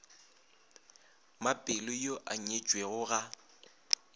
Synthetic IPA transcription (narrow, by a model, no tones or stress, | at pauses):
mapʼɪlɪjoʔaɲet͡ʃʼweɣʊɣa